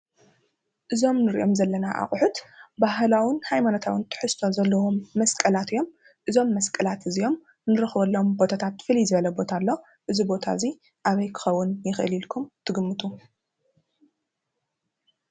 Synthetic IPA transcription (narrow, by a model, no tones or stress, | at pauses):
ʔɨzo̞mnɨɾḭʔo̞mzɐlːɐnaʔa̰χʼʊħut̪baɦlawɪnhajmanot̪ʰawint̪ʰɨ̥ħɨst̪ʰo̞zɐlːɐwomːɐskʼɐlat̪ɨjo̞m | ʔɨzo̞mːɐskʼɐlat̪ɨzijo̞m | nɨɾɨxβɐlːo̞mbo̞t̪ʰat̪ʰat̪fɨlizɨβɐlɐbo̞t̪ʰalːo̞ | ʔɨzibo̞t̪ʰa̰zi | ʔaβɐjkʰɨ̥xɐwːʊnjɪxʔɨlilkʰumt̪ʰɨɡɨmːɨt̪ʰu